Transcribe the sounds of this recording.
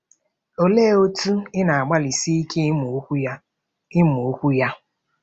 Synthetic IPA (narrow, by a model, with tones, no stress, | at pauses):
o˦le˦o˦tu˦ɪ˦na˨a˨ɡ͡ba˦li˨si˦i˦kʰe˦m˨˦ | ɪ˦mu˨o˦kʷu˦ja˦